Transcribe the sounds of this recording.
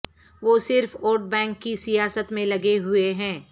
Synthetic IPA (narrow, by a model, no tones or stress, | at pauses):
ʋoːsɪɾfoːɖ̚bɛ̃ːŋkːisijaːsət̪mẽlɐɡeɦʊeɦɛ̃ː